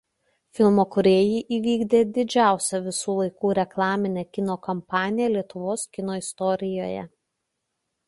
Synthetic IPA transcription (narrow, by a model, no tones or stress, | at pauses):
fʲɪlˠmoːkʊɾʲeːjiːʔiːʋʲiːɡd̪ʲeːd̪ʲɪd͡ʒʲæˑʊsʲɛʋʲɪsuːlˠɐɪkuːɾʲɛklˠɑːmʲɪnʲeːkʲɪnoːkɐmpɑːnʲɪjɛlʲiɛt̪ʊʋoːskʲɪnoːɪst̪ɔɾʲɪjoːjɛ̰